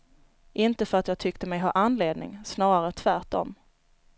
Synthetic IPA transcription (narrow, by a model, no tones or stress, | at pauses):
ʔɪnt̪əfœɾat̪jɑːɡ̚t̪ʰʏkt̪əmɛjɦɑ̰ːʔanːleːd̪nɪ̰ŋsnɑːɾaɾət̪ʰvæʈɔ̰m